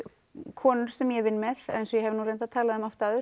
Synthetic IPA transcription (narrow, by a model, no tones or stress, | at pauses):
kʰɔːnʏɾ̥sɛmjɛvɪnːmɛðensɔjɛɦɛvnuːɾejnt̪aðt̪ʰaːlaðɛmɔft̪aːðʏɾ